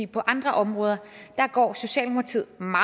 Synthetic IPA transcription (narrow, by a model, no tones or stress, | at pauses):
ipʰɒ̽ʔɑ̈nd̥ʁɐʔɒ̽mʁɔːð̞ˠɐd̥ɑ̈ɡ̥ɒ̰ːso̝ɕɛ̰ːlmo̥ɑ̈t͡sʰið̰ˠmɑ